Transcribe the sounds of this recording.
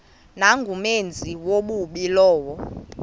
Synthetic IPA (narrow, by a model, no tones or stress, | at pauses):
naŋɡʱumend͡zʱiwoɓuɓilɔːwɔ